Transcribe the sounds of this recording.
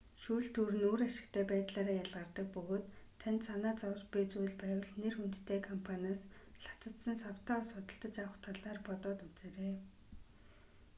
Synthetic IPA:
ʃuːɬt̪ʰuːɾɘ̆nuːɾaʃɪ̆kt̪ʰæːpæːt̪ɮaːɾaːjaɮʁə̆rt̪ə̆k̚pɵɣoːt̪ʰːant̪sanaːt͡sɔwpit͡sujɮpæːwə̆ɮnerxunt̪ːʰeːkʰɔmpʰanʲaːsɬḁt͡sə̆t̪sə̆nsaw̥t̪ʰaːɔsχʊt̪ə̆ɬt̪ə̆t͡ɕawə̆χt̪ʰaɮaːrpɔt̪ɔːt̪ut͡seːɾeː

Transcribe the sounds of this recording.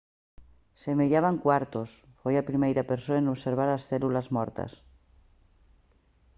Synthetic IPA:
semeʎaβaŋkwaɾt̪os | fojapɾimejɾapeɾsoaenoβseɾβ̞aɾasθɛlulazmɔɾt̪ɐ̰s

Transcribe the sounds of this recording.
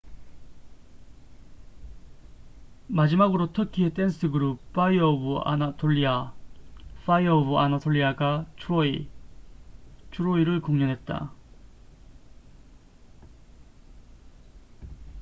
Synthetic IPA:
mad͡ʑimaɡɯɾotʰɯkʰiet͈ens͈ʰɯɡɯɾupp͈ːaiʌbua̰natʰoʎːia | faiʌbuanatʰoʎːiaɡat͡ɕoi | t͡ɕuɾoiɾɯkoŋɲʌnɦe̞t̚t͈a̰

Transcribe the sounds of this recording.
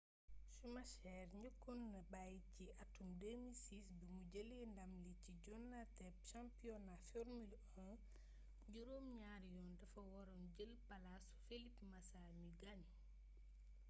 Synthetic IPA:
sumɐʃɛːrɲəkːɔnːɐbajciʔɐtːumdemisisbimuɟəlindɐmliciɟɔnːatɛp̚ʃãmpiɔnafɛɾmil | ɔ | ɟuɾoːmɲaɾjɔːndɐfɐwɔɾɔmɟəlpɐlasu̥felipmɐsamiɡɐn

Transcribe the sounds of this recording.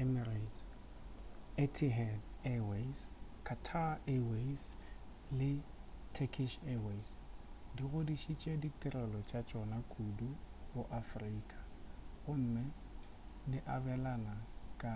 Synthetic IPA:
ɛmirat | etʰiɦɛdɛweskʰatʰaɛwes | lɪtʰekʰiʃɛwesdiɣʊdiʃit͡ʃʼɛditʼɛrɛlɔt͡ʃʼat͡ʃʼɔnakʼuduʊʔafriːkʼḁɣʊm̩mɪ | dɪʔabɛlanakʼa

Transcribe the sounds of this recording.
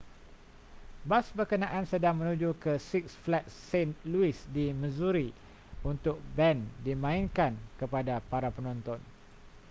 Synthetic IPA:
basbərkənãʔansədaŋmə̃nũd͡ʒukəsiksflɛt̪̚senluɪsdimə̃zuɾi | unt̪ʊk̚bɛndimãinkankəpadapaɾapənɔ̃nt̪ɔn

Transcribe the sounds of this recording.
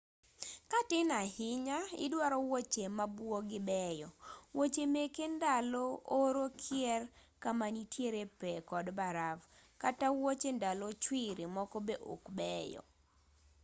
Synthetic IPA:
katɪnahɪɲaɪ̰dwaɾɔwot͡ʃemabwoɡɪbɛjɔwot͡ʃemekendalɔoɾokʰjɛrkamanitjeɾepɛkɔdbaɾavkatawot͡ʃendalot͡ʃwɪɾimɔkɔbeʔo̰kbɛjɔ̰

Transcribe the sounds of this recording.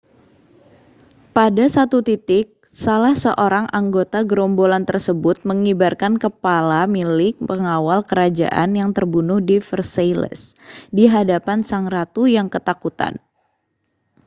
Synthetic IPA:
padasat̪ut̪it̪ɪk̚ | salahsəʔoɾaŋʔaŋɡot̪aɡɾɔmbolant̪ərsəbʊt̪̚məŋibarkankəpalamilɪk̚pəŋawalkəɾad͡ʒa̰ʔa̰njaŋt̪ərbunʊhdifərselə̰s | diɦadapansaŋɾat̪ujaŋkət̪akut̪a̰n

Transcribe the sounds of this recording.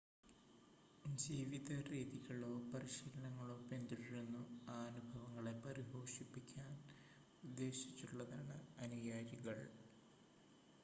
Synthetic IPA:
d͡ʑiːʋiðɐriːðiɣɐɭoːpɐɾiɕiːlɐɳɐŋːɐɭo̞ːpe̞nd̪iɽiɾunːuaːnubʱɐʋɐŋːɐɭe̞pɐɾiɦo̞ːʂipːikʲːaːn | ud̪ːe̞ːɕit͡ɕːuɭːɐðaːɳɨɐnujaːɾiɣɐɭ

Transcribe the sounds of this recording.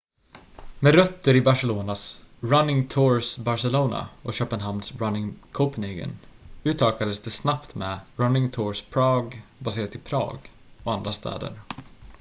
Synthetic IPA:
mɛɾœt̪ːəɾɪbaʂɛloːnasɾanːɪŋt̪ʰuɾsbaɾsɛluːna̰ɔɕœːpənɦamsɾanːɪŋkʰoʊpənɛɡə̰nʉ̟ːt̪ʰɑːkad̪əsd̪ɛsnapt̪mɛɾanːɪŋt̪ʰʊɹspʰɾɑːɡbaseːɾat̪ʰːɪpʰɾɑ̰ːɡ | ɔand̪ɾast̪ʰɛ̰ːd̪ə̰ɾ

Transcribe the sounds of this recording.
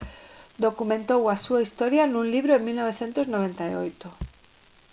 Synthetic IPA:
d̪okumẽnt̪owasuaist̪oɾjanũnliβ̞ɾoeŋmilnoβ̞eθent̪oznoβ̞ẽnt̪aḭo̰jt̪o

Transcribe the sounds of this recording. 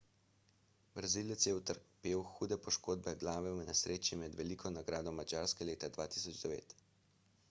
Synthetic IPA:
bɾaziːlɛt̪sjɛwt̪əɾkpeːwxuːd̪ɛpɔʃkoːd̪bɛɡlaːʋɛwnɛsɾʔeːt͡ʃimɛd̪ʋɛlikʰɔnaɡɾaːd̪ɔmad͡ʒaːɾskɛleːt̪ad̪ʋaːt̪i̥sɔd͡ʒd̪ɛʋḛːt̪

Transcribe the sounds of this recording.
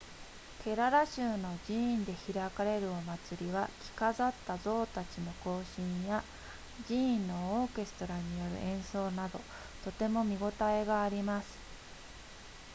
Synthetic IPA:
kʰe̞ɾaɾaɕɨːno̞ʑiĩnd̪e̞çiɾakaɾe̞ɾɯ̟o̞mat͡sɨɾʲiβakʲi̥kazat̪ːazo̞ːt̪at͡ɕino̞ko̞ːɕĩɰ̃ja | ʑiĩnːo̞oːke̞sɨ̥t̪o̞ɾaɲ̟ijo̞ɾɯ̟̰ʔẽ̞ɰ̃so̞ːnad̪o̞ | t̪o̞t̪e̞mo̞mʲiɡo̞t̪ae̞ɡaːɾʲimasɨ̥

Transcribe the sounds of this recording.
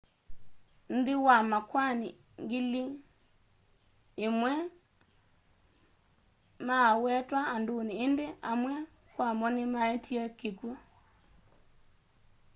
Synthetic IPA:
n̩diwamakwani | ŋɡili | emwɛ | mawɛtwaːndoniːndeamwɛ | kwamɔnemaɛtʰiɛkeku

